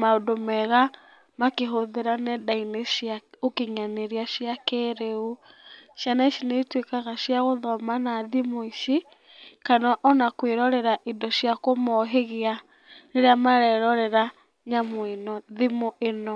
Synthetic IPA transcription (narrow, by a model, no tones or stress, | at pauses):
maodomɛɣa | makeɦoðeɾanɛdaineʃjaokeɲaneɾiaʃiakeːɾeuʃjanaiʃineitwekaɣaʃjaɣoðɔmanaðimoiʃi | kanaʔɔnakweɾɔɾɛɾaʔidɔʃjakomɔɦeɣea | neɾeamaɾɛɾɔɾɛɾa | ɲamoinɔðimoʔenɔ